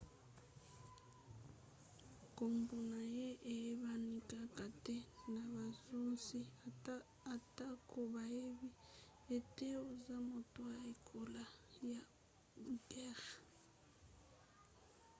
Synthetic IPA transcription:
kʼo˨mbu˨na˨je˦ʔe˨˦βa˦ni˦kʼa˦kʼa˨tʼe˦na˨βa˨zu˦n˦si˦ | a˨tʼa˦kʼo˨βa˨e˦βi˦ | e˨tʼe˦o˨za˦mo˨tʼwa˦e˦kʰʼo˦la˦ja˨˦ | ɡɛ˦ɣa˨

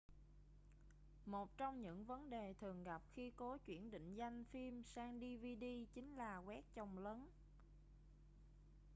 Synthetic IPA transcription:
mo˨˩t̚t͡ɕɔ˧wŋ͡mɲɨ̰˧˥ŋvə˨˦nɗe˨˩t̪ʰɨ˨˩əŋɣa˨˩p̚xi˧ko˨˦t͡ɕwḭ˧˩ənɗḭ̈˧˨ŋ̟za˧jŋ̟fi˧msaː˧ŋɗi˧vi˧ɗi˧t͡ɕï˨˦ŋ̟laː˨˩ɣwɛ˦˥k̚t͡ɕə˨˩wŋ͡mləː˨˦n

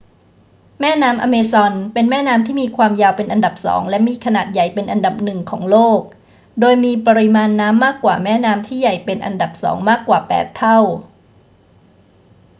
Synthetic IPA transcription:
mɛː˥˩naː˦˥mʔa̰ː˧meː˧sɔ˧npe˧nmɛː˥˩naː˦˥mt̪ʰiː˥˩miː˧kʰwaː˧mjaː˧wpe˧nʔa˧nda˨˩p̚sɔ̰ː˩˦ŋlɛ˦˥miː˧kʰa˧naː˨˩t̪̚ja˨˩jpe˧nʔa˧nda˨˩p̚nɯ˨˩ŋkʰɔː˩˦ŋloː˥˩k̚ | doː˧jmiː˧pɔ˧ɾi˦˥maː˧nːaː˦˥mːaː˥˩kːwaː˨˩mɛː˥˩naː˦˥mt̪ʰiː˥˩ja˨˩jpe˧nʔa̰˧nda˨˩p̚sɔ̰ː˩˦ŋmaː˥˩kːwaː˨˩pɛ̰ː˨˩t̪ʰːa˥˩w

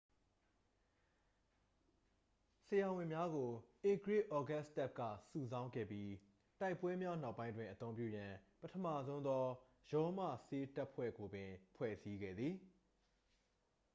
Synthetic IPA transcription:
səjã˨wɪ̃˨mja˦ɡo˨ʔe˨ɡɹe˦˨ʔɔ˨ɡa˦sta˦˨p̚kä̰˦˨su˨zã˦ʊ̃ŋɡɛ̰˦˨pji˦ | ta˦ɪpːwɛ˦mja˦na˦ʊpːã˦ɪ̃ndwɪ̃˨ʔət̪õ˦ʊ̃p̬jṵ˦˨jã˨pətʰə˨mä̰˦˨zõ˦ʊ̃nd̪ɔ˦ | jɔ˦mä̰˦˨se˦ta˦ʔpʰwɛ̰˦˨ɡo˨bɪ̃˨pʰwɛ̰˦˨si˦ɡɛ̰˦˨d̪ði˨

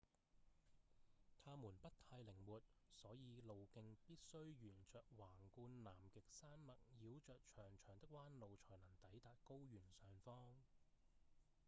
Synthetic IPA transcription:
t̪ʰaː˥muː˨˩npɐ˥t̚t̪ʰaː˧jlɪ˨˩ŋwuː˨t̚sɔː˨˥jiː˨˧lo˨wkɪ˧ŋpiː˥t̚sɵ˥ɥjyː˨˩nt͡ʃœː˨k̚waː˨˩ŋkuː˧nlaː˨˩mkɪ˨k̚saː˥nmɐ˨t̚jiː˨˧wt͡ʃœː˨k̚t͡ʃʰœː˨˩ŋt͡ʃʰœː˨˩ŋt̪ɪ˥k̚waː˥nlo˨wt͡ʃʰɔː˨˩jnɐ˨˩ŋt̪ɐ˨˥jt̪aː˨t̚ko˥wjyː˨˩nsœː˨ŋfɔː˥ŋ

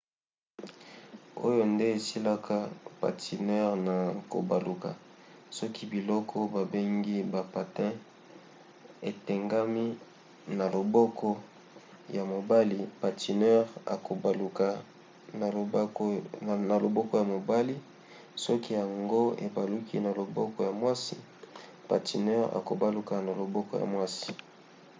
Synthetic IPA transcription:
o̰˦jo˦nde˦e˨si˦la˦kʰa˦pa̰˨ti˨nɛ˦ʁna˨ko̰˨ba̰˨lu˨ka̰˨sɔ˦ki˦bi˨lɔ˦kʰɔ˦ba˨be˦ŋɡi˦ba˨pa˨tɛ̃˦ | e˨tɛ˨ŋɡa˦mi˦ | na˨lo˨bɔ˦kʰɔ˦ | ja˨mo˨ba˦li˨pa˨ti˨nɛ˦ʁa̰˨ko˨ka˨˦˨ | na˨lo˨bɔ˦kɔ˦ja˨mo˨ba˦li˦ | sɔ˦ki˦ja˨ŋɡo˦ḛ˨ba˨lu˦kʰḭ˦na˨lo˨bɔ˦kɔ˦ja˨mwa˦si˨ | pa̰˨ti˨nɛ˦ʁa̰˨ko˨ba˦lu˨˦ka˨na˨lo˨bɔ˦kɔ˦ja̰˨mwa˦si̥˨

